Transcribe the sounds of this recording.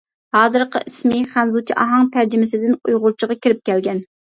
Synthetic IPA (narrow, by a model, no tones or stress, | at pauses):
hɑːzɨɾqə̰ʔismɪχænzut͡ʃʰiʔɑɦɑŋt̪ʰæɾd͡ʒɪmɪsɪd̪ɪnujʁʊɾt͡ʃʰəʁɑkʲʰiɾɪp̚kʲɛlɡʲɛn